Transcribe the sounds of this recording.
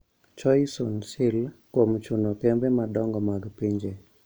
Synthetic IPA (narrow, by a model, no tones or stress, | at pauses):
t͡ʃɔjsonsɪlkwomt͡ʃunokɛmbɛmadɔŋɡɔmaɡpiɲd͡ʒe